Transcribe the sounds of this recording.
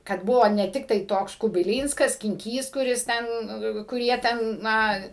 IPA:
kɐt ˈbʊʋoː nʲɛ ˈtʲɪktɐɪ ˈtoːks kʊbʲɪˈlʲiːnskɐs sʲkʲɪŋʲˈkʲiːs kʊˈrʲɪs ˈtʲɛn kʊr ˈjiɛ ˈtʲɛn ˈnɐ

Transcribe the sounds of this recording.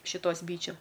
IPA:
ʃʲɪˈtoːs ˈbʲiːt͡ʃʲʊ

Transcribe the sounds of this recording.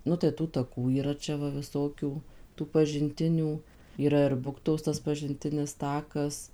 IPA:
ˈnʊ tɐɪ ˈtuː tɐˈkuː iːˈrɐ ˈt͡ʃʲɛ ˈʋɐ ʋʲɪˈsoːkʲuː tuː pɐʒʲɪnʲˈtʲɪnʲuː iːˈrɐ ɪr ˈbʊktoːs ˈtɐs pɐʒʲɪnʲˈtʲɪnʲɪs ˈtɑːkɐs

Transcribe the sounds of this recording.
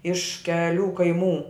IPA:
ɪʃ kʲɛˈlʲuː kɐɪˈmuː

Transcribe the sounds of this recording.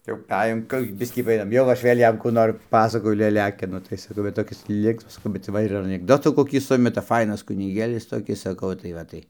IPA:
jɛʊ pɐˈæːjoːm ˈkʊr jɛʊ ˈbʲɪsʲkʲiː pɐˈeːjoːm ˈjɛʊ ɐʃ ˈʋʲeːlʲ ˈjɛm ˈkuː noːr ˈpɑːsɐkoːjʊ lʲɛˈlʲæːkʲɪnʊ tɐɪ sɐˈkɐʊ ʋɐ toːˈkʲɪs ˈlʲɪŋksmɐs bʲɛt ˈʋɐ ɪr ɐnʲɪɡˈdoːtuː koːˈkʲiː ˈsʊmʲɛtɐ ˈfɐɪnɐs kʊnʲɪˈɡʲeːlʲɪs toːˈkʲɪs sɐˈkɐʊ tɐɪ ˈʋɐ tɐɪ

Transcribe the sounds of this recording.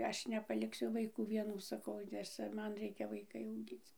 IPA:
ˈɐʃ nʲɛpɐlʲɪkˈsʲʊ ʋɐɪˈkuː ʋʲiɛˈnuː sɐˈkɐʊ nʲɛs ˈt͡sʲɛ ˈmɐn ˈrʲɛɪkʲɛ ʋɐɪˈkɐɪ ɐʊˈɡʲiːt͡s

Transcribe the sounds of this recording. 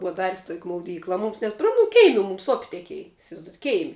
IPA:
ˈbʊɐ ˈdɑːrʲɪsʲ toːkʲ mɐʊˈdʲiːklˠɐ ˈmʊms nʲɛt proː mʊ ˈkʲɛɪmʲɪ mʊms oːpʲ tʲɛˈkʲiɛj ɪsʲɪʋɐɪzˈdoːjɛtʲ ˈkʲɛɪmʲɪ

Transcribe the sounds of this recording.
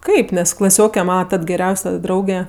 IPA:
ˈkɐɪp nʲɛs klˠɐˈsʲoːkʲɛ ˈmɑːnɐ ˈtɐt ɡʲɛˈrʲɛʊsʲɛ ˈdrɐʊɡʲɛ

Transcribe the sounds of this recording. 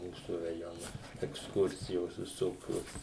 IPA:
ˈmuːsʊ rɐˈjoːnɐ ɛksˈkʊrʲsʲɪjoːs ʋʲɪˈsoːkʲoːs

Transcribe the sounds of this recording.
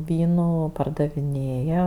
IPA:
ˈʋʲiːnuː pɐrdɐʋʲɪˈnʲeːjɛ

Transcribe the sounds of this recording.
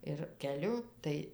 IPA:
ɪr kʲɛˈlʲʊ ˈtɐɪ

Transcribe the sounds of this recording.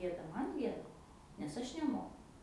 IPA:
ˈɡʲeːdɐ ˈmɐn ˈɡʲiɛdɐ nʲɛs ˈɐʃ nʲɛˈmoːkʊ

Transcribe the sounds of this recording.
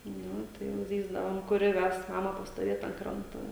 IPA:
ˈnʊ tɐɪ jɛʊ ˈzʲiːzdɐʋoːm kʊˈrʲɪ ˈʋʲɛs ˈmɑːmɐ pɐstoːˈʋʲeːt ɐnt ˈkrɐntoː

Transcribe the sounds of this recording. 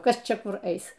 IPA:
ˈkɐs ˈt͡ʃʲɛ ˈkʊr ˈɛɪs

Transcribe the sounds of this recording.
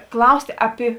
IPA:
ˈklˠɐʊsʲtʲeː ˈɑːpʲɪ

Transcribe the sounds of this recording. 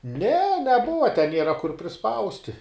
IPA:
nʲɛ nʲɛˈbʊʋɐ tʲɛ ˈnʲiɛrɐ kʊr pʲrʲɪˈspɐʊsʲtʲɪ

